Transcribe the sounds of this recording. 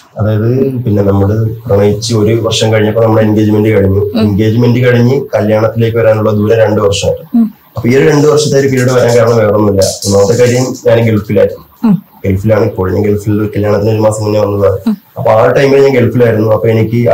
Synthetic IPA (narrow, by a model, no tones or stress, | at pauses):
ɐðaːjɐðpinːe̞nɐmːuɽɨprɐmɐjit͡ɕːɨo̞ɾuʋɐrʂɐmkɐɻiɲːɐpːonɐmːuɽeinɡe̞ːd͡ʑime̞nɖɨkɐɻiɲːuenɡe̞ːd͡ʑme̞nɖɨkɐɻiɲːɨkɐljaːɳɐt̪ːile̞ːk̬ʲːɨʋɐɾaːnuɭːɐd̪uːɾɐɾe̞ɳɖɨʋɐrʂɐma̰jʈːɐ | ɐpːoioɾuɾe̞ɳɖɨʋɐrʂɐt̪ːejoɾupiːɾiɽɨʋɐɾaːnkaːɾaːɳɐmʋeʋɐrɐmnːilːɐ̰pːonoːt̪ːɐkʲːaʈːɐjumɲaːnɡe̞lfilaːjiɾunːu | ɡ̥elfilaːɳɨikːoɻiɲːɐɡeɭfilkɐljaːɳɐt̪ːindoɾumaːsɐmːunːeʋɐnːɐðaːɳɨɐpːoaːʈːɐjmikɐɭɲːaːnɡe̞lfilaːjiɾunːuɐpːoːe̞nikʲːɨ